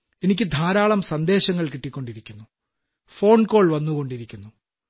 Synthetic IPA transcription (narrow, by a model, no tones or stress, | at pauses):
e̞nikʲːɨd̪ʱaːɾaːɭɐmsɐnd̪e̞ːɕɐŋːɐɭkiʈːikʲːo̞ɳɖiɾikʲːunːu | fo̞ːɳko̞ːɭʋɐnːuɣo̞ɳɖiɾikʲːunːu